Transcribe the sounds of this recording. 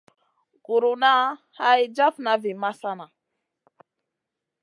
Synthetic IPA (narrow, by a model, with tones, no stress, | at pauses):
ɡu˨ɾu˨na˦ | ha˦ji˦d͡ʒa˦fna˨vi˨ma˦sa˦na˨